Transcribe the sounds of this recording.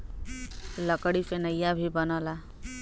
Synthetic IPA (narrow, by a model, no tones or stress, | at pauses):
lʌkɽipʰenʌjabʱibʌnɔla